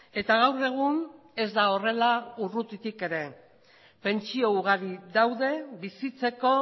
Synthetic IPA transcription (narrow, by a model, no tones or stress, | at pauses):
e̞t̪aɣ̞awre̞ɣ̞un | e̞zd̪ao̞re̞laurut̪it̪ike̞ɾe̞ | pe̞nt͡ʃio̞uɣaɾiðawðe̞βisit͡se̞ko̞